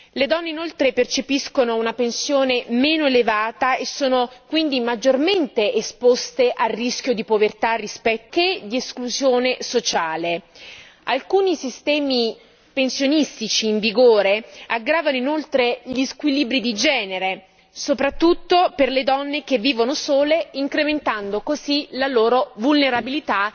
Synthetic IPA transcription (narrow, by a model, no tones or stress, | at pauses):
led̪ɔnːeinolt̪ɾepert͡ʃepiskonounapensjoːnemeːnoelevaːt̪aesːoːnokwind̪imad͡ʒːorment̪eʔespost̪eʔarːisk̟jod̪ipovert̪arːispɛt̪ːed̪ieskluzjoːnesot͡ʃaːle | alkuːnisist̪ɛːmi | pensjonist̪it͡ʃiːɱviɡoːɾeaɡɾaːvanoinolt̪ɾeʎiskwiliːbɾid̪id͡ʒɛːneɾe | sopɾat̪ːut̪ːoperled̪ɔnːekevːiːvonosoːleiŋkɾement̪and̪okozilaloːɾovulneɾabilit̪a